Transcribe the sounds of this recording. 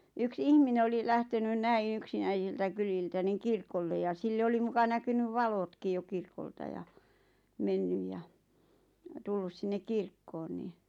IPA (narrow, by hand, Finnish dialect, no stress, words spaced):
yks ihmine oli læhtenyn næĩː yksinæisiltæ kyliltæ niŋ kirkolːe jɑ silːe oli mukɑ nækynyʋ ʋɑlotkij jo kirkoltɑ jɑ menːyj jɑ tulːus sinːek kirkːoːn ni